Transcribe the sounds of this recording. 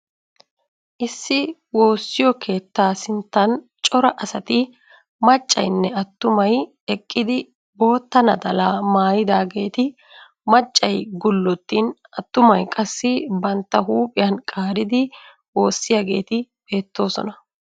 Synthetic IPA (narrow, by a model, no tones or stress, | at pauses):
ʔɪsːɪwo̞ːsːɪjɔkʰe̞ːt̪ːaːsɪnt̪ːɐn | t͡ʃʼɔɾɐʔɐsɐt̪ɪ | mɐt͡ʃʼːɐ̰jnːɛɐt̪ːʊmɐj | ɛkʼːɪd̪ɪ | bo̞ːt̪ːɐnɐd̪ɐlaːmaːjɪd̪aːɡe̞ːt̪ɪ | mɐt͡ʃʼːɐjɡʊlːɔt̪ːiːn | ɐt̪ːʊmɐjkʼɐsːɪbɐnt̪ːɐɦuːpʼɪjɐnkʼaːɾɪd̪ɪ | wo̞ːsːɪjaːɡe̞ːt̪ɪb̥e̞ːt̪ːo̞ːsɔ̰nɐ